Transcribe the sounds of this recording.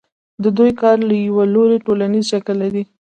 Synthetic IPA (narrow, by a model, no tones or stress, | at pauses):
d̪əd̪ujkɑɾlajawaloɾeʈolanizʃakəlːaɾi